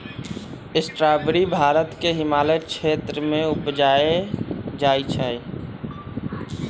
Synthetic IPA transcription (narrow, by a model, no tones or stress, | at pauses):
ɪsʈɾaːbɾibʱaːɾət̪keɦɪmaːlət͡ʃʰeːt̪ɾəmẽʊpd͡ʒaːed͡ʒaːit͡ʃʰɛ